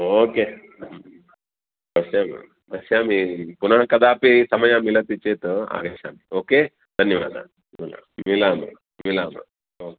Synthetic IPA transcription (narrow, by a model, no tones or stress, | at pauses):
oːkeː | bɐsjaːmḭ | bɐsjaːmipunɐɦɐkɐd̪aːpisɐmɐjamilɐt̪it͡ʃːeːt̪oa̰ːɡɐʃaːmioːkeː | d̪ʱɐnjɐʋa̰ːd̪a̰ | mila̰milaːma̰ | milaːma̰ | o